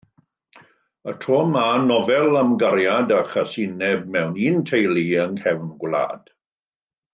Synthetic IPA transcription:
ətʰɔːmanɔvɛlˠamɡaɾjadaχasɪnɛb̚mɛwniːntʰejlˠiəŋhʰɛvnɡwlˠa̰ːd̥

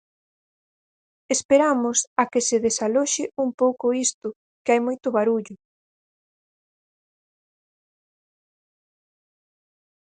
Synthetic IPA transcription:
espeɾamʊsakɪsɪðesaloʃɪumpowkʊist̪ʊ | keajmojt̪ʊβaɾuʎʊ

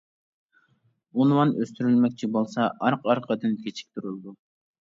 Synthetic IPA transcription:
onwɑnøst̪yɾylmɛkʲt͡ʃʰibolˠsɑʔɑɾqɑɾqʰɑd̪ɨnkʲʰet͡ʃʰi̥k̚ʲt̪ʰuɾulˠɨd̪u

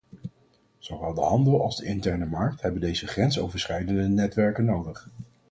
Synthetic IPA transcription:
z̥owʋɛlˠdəɦɑndəlˠɑlˠzdəɪntɛɹnəmɑɹk̚thɛbəndejzəχrɛnsowvəɹsχɛjdəndənɛtʋɛɹkənːowdəχ

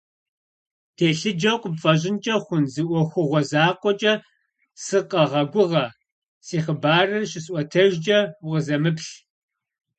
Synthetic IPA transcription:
tʰeːɬɨd͡ʒɐwqʷʊpfʼɐʑ̬ʼɪnt͡ʃʼɐχʷʊnzɨʔʷɔxʷʊʁʷɔzaːqʷɔt͡ʃʼɐ | sɨqɐʁɐɡʷʊʁɐ | siːχəbaːrɨrɕɪsʔʷɔtʰɐʒd͡ʒʼɐwʁəzɐmɨpɬ

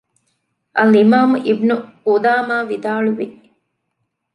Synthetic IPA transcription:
ʔɐlimaːmuʔibnuud̪aːmaːʋid̪aːɭuʋi

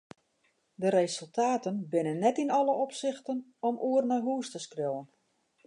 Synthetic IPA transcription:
dəɾesɵlˠtʰaːtənbɪnənːɛtinɔləɔpsɪxtənɔmʔuərnaɦuːstəskrowən

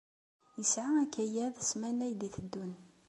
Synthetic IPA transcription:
jəsʕaækːæjæðsmænæjd̪iθəd̪ːun

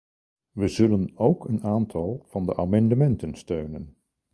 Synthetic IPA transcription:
ʋəzɵlənowkənaːntʰɑlˠv̥ɑndə̰ʔaːmɑndəmɛntənstøɥnən

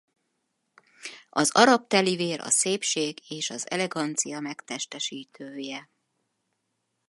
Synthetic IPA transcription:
ɒzɒɾɒp̚t̪ɛliveːɾʔɒ̰seːpʃeːɡeːʃɒzɛ̰lɛɡɒnt̪sijɒmɛkt̪ɛʃt̪ɛʃiːt̪ʰøːjɛ

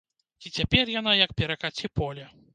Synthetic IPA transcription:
it͡sʲapʲɛrjanajɐk̚pʲɛɾɐkat͡sʲipɔlʲɐ

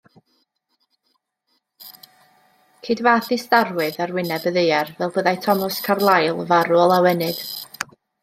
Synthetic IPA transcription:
kʰedvaːθistarwɨðarwɪnɛbəðejɛrvɛlˠbəðajtʰɔmɔskʰarlˠajlˠəvaɾʊɔlˠawɛnɨd̥

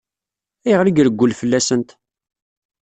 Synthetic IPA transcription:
ijʁɾiɡɾəɡʷːʊlfəlːæsənt̪

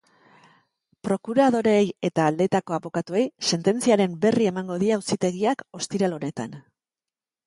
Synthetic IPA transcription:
pɾo̞kuɾað̞o̞ɾe̞je̞t̪aːld̪e̞t̪ako̞aβo̞kat̪ue̞jse̞nt̪e̞nt͡siaɾe̞mbe̞rie̞maŋɡo̞ðiausit̪e̞ɣiako̞st̪iɾalo̞ne̞t̪a̰n

